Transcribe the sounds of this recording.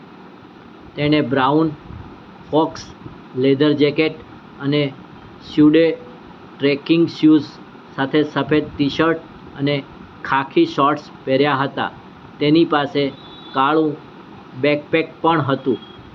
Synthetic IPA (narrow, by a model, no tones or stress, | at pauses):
t̪eñebɾaun | fɔks | led̪əɾd͡ʒɛkeʈ | əne | ʃjuɖe | ʈɾekɪŋɡʃjuz | sat̪ʰesəpʰed̪̚t̪iʃəɾʈ | əne | kʰakʰiʃɔɾʈspɛɾjaɦət̪a̰ | t̪enipase | kaɭũ | bɛk̚pek̚pəɳɦət̪ũ